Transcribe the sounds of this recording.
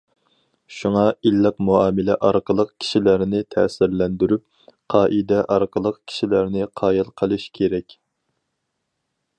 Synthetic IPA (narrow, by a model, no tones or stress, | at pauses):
ʃuŋɑilːɪqmuɑːmɪlɛʔɑɾqəlˠəq̚kʲʰi̥ʃilæɾnɪt̪ʰɛsɪɾlɛnd̪yɾyp̚ | qʰɑːʔid̪ɛʔɑɾqʰəlˠəqkʲʰi̥ʃilæɾnɪqʰɑːjɨlˠqʰəlˠɨʃkʲʰeɾɛkʲ